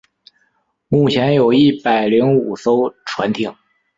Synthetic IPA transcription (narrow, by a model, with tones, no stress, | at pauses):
mu˥˩t͡ɕʰjɛ˧˥njo˨˩ʊi˥˩pa˨˩ɪli˧˥ŋu˨˩so˥ʊʈ͡ʂʰwa̰˧˥nt̪ʰi˨˩˦ŋ